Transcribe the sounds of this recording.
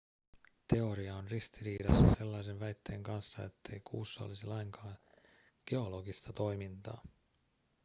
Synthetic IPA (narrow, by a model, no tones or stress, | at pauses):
t̪e̞o̞ɾiɑonrist̪iɾiːdɑ̰sːɑse̞lːɑjs̬enʋæjt̪ːe̞ːŋkɑnsːɑe̞̰t̪ːe̞jkʰuːsːɑolisilɑjŋkɑːn | ɡ̥e̞o̞lo̞ɡist̪ɑt̪o̞jmint̪ɑ̰ː